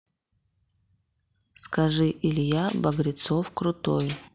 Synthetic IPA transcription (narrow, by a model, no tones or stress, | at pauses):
skɐʐɨʔɪlʲjabɐɡɾʲɪt̪sofkɾʊt̪oj